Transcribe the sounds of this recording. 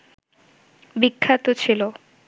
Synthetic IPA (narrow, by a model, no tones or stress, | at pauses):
bikʰːat̪ot͡ɕʰilo